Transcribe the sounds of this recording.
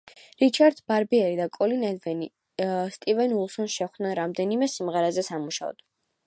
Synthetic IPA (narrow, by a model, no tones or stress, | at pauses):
ɾit͡ʃʰaɾd̪baɾbiɛɾid̪akʼɔlinɛd̪vɛni | st̪ʼivɛnulˠsɔnʃɛχd̪̥nɛnɾamd̪ɛnimɛsimʁɛɾɛzɛsamuʃa̰ɔ̰d̪̥